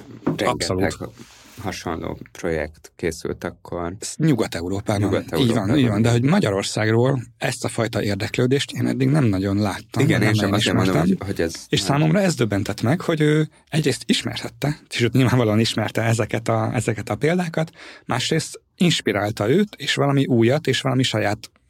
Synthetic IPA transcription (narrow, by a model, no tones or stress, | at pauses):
ɾɛɒpsoluːt̪ | hɒʃo̰nlo̰ːpro̞jɛ̰kt̪keːsy̰lt̪ɒkʰːorɲuɡɒt̪ɛuɾoːpaːvɔiːɟvɒniːɟvɒnd̪ɛɦo̞ɟmɒɟɒɾo̞rsaːɡroːlɛst̪ɒfɒjt̪ɒʔeːrd̪ɛkløːd̪eːʃt̪eːnɛ̰d̪ːiɡnɛmnɒɟo̞nlaːt̪ːɒimɡɛnɛnmɛniʃmɛnd̪ot̪ɛmɦoɟɛzeːʃsaːmomrɒɛzd̪øbːɛnt̪ɛt̪mɛkho̞ɟøː | ɛɟreːst̪iʃmɛ̰rt̪ɛt̪ːɛeʃøːt̪ɲilvaːɱvɒloːɒniʃmɛrt̪ɛɛzɛkɛt̪ɒɛzɛkɛt̪ɒpeːld̪aːkɒt̪mʔa̰ːʃreːst̪ | inʃpiɾaːlt̪ɒøːt̪eːʃʋɒlɒmiʔuːjɒt̪eːʃʋɒlɒmiʃɒjaːt̪